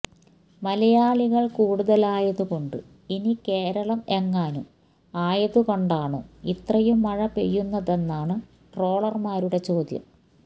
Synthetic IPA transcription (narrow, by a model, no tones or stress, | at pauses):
mɐlɐjaːɭiɣɐɭkuːɽuðɐlaːjɐðukoɳɖɨ | inike̞ːɾɐɭɐme̞ŋːaːnu | aːjɐðuko̞ɳɖaːɳɨit̪rɐjumːɐɻɐpḛjːunːɐðe̞nːaːɳɨ | ʈro̞ːɭɐrmaːɾuɽe̞t͡ɕo̞ːd̪jɐ̰m